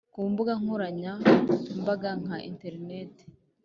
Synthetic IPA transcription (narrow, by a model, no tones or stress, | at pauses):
kuːmbuɡaŋhoɾaɲambaɡaŋ̥haʔḭnte̞ɾineːte̥